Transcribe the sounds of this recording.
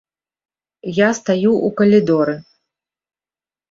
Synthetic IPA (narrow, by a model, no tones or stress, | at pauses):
jast̪ajuʔukɐlʲid̪ɔɾɨ